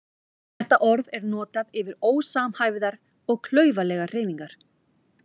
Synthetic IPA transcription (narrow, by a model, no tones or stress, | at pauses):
θθθɛht̪aʔɔɾðɛɾnɔːt̪aðɪvɪɾoːwsaːmhaːjvɪðaɾ̥ | ɔɣkʰlœːɥvalɛːɣar̥eːjmiŋkaɾ̥